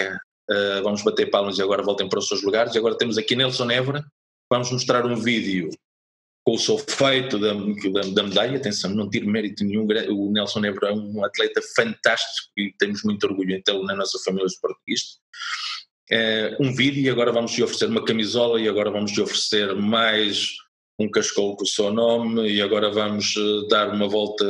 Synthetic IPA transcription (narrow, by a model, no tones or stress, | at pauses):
ɐ | ɛvɐmʊʒβɐt̪eɾpalˠmɐziɐɣɔɾɐvɔlˠt̪ɐ̃j̃pɐɾɔsewʒlˠuɣaɾziɐɣɔɾɐt̪emuzɐkiɐnɛlˠsõnɛvɾɐ | vamuʒmuʃt̪ɾaɾũviðju | kõusofejt̪uðɐðɐd̪ɐmɨðaʎɐɐt̪ẽsɐ̃w̃nɐ̃w̃t̪iɾmɛɾit̪unɨɲũɡɾɐ̃unɛlˠsõnɛvɾɐɛũɐt̪lˠɛt̪ɐfɐ̃nt̪aʃt̪i̥kukɨt̪ẽmuʒmũj̃t̪ɔɾɣuʎuẽnt̪elˠnɐnɔsɐfɐmilˠjɐðupɔɾt̪uɣiʃt̪ɐ̥ | ɛũviðjuiɐɣɔɾɐvɐmʊʃɔfɾseɾumɐkɐmizɔlˠɐiɐɣɔɾɐvamʊʒt̪ofɾɨseɾmajʃ | ũkɐʃkowkusewnomɨiɐɣɔɾɐvɐmʊʒɛðaɾumɐvɔlˠt̪ɐ